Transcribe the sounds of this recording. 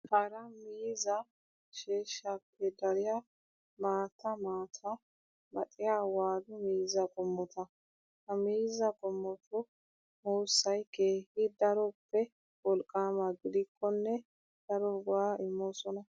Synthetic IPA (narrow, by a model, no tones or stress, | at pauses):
hɐɾɐmiːzɐ | ʃeːʃapʰːɛd̪ɐɾɪja | maːt̪ʰɐmaːt̪ʰɐ | mɐ̰t̪ʼɪjawaːd̪ʊmiːzɐɡʼɔmːɔt̪ɐ | hɐmiːzɐɡʼɔmːɔt̪ʊ | muːsːɐjkeːhɪd̪ɐɾɔpːɛ | wɔlkʼːaːmaɡɪd̪ɪkʰːɔnːɛ | d̪̥ɐɾɔɡʊaːɪmːɔsɔnɐ